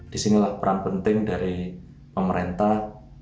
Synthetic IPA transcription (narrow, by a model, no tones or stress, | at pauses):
d̥isinilahpəɾanpənt̪ɪŋdaɾi | pəməɾent̪ah